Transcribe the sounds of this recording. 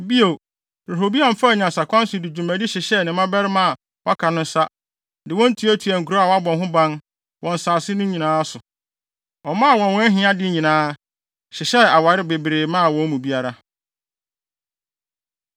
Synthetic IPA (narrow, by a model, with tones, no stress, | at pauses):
bi˦o˨ | ɾe˨ɦo˨bi˦ã˨m̩˨fa˦˨ɲã˨sa˨kʷʰã˦n˦sʊ˨dɪ˨d͡ʑu˨mæ̃˨di˦ɕɪ˨ɕɛ˦˨nɪ̃˨˦mã˦bɛ˦ɾɪ˦mã˦a˨ | wʔa˦kʰa˨nʊ̃˦n̩˦sa˦ | dɪ˨wɔ̃˦n̩˦tʰu˨˦æ˦tʰu˨æ˨ŋ̩˨kʰu˨ɾo˦a˨wa˦bɔ̃˨nɦʊ̃˦bã˦n | wɔ̃˨n˨saː˨sɪ˦nʊ̃˦ɲĩ˨nãː˦sʊ˨ | ɔ˨mã˦a˨wɔ̃˨nwɔ̃˦ɦɪ̃˦a˦dɪ˦ɲĩ˨nãː˦ | ɕɪ˨ɕɛ˦a˨wa˨ɾɪ˦be˨bɾeː˨mã˦˨wɔ̃˦m˦mũ˨bi˦a˦ɾa˦